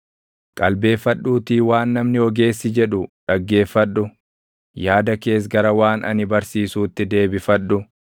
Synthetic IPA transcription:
kʼɐlbe̞ːfɐᶑːuːt̪iːwaːnːɐmnɪɔɡe̞ːsːɪd͡ʒɛᶑʊᶑɐɡːe̞ːfːɐᶑːʊ | jaːd̪ɐke̞ːs̬ɡɐɾɐwaːnʔɐ̰nɪbɐɾsiːsuːt̪ːɪd̪e̞ːbɪfɐᶑːʊ

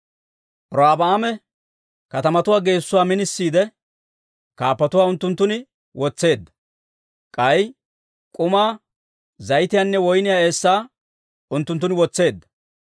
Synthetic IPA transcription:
ʔɾɔaːbɐaːmɛ | kɐt̪ɐmɐt̪ʊwaːɡe̞ːsːʊwaːmɪnɪsːiːd̪ɛ | kaːpːɐt̪ʊwaːʊnt̪ːʊnt̪ːʊnɪ | wɔt͡sːe̞ːd̪ːɐ̥ | kʼɐj | kʼʊmaː | zɐjɪt̪ɪjaːnːɛwɔjnɪjaːe̞ːsːaː | ʊnt̪ːʊnt̪ːʊnɪwɔt͡sːe̞ːd̪ːɐ̥

